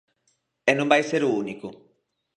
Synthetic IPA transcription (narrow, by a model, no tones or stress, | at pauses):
ɛnõmbajseɾuunikʊ